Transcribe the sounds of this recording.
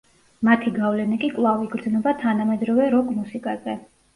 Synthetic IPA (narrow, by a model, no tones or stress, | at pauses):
mat̪ʰiɡavlɛnikʼikʼlˠaviɡɾd̪znɛbat̪ʰanamɛd̪ɾɔvɛɾɔkʼmusikʼazɛ